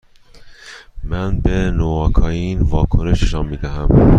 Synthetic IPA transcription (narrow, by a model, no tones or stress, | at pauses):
mænbenoɒːkʰɒːjinvɒːkʰoneʃneʃɑːnmiːd̪æɦæm